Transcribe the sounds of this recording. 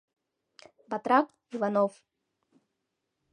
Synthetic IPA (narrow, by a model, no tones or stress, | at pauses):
bat̪ɾak | zvanɔf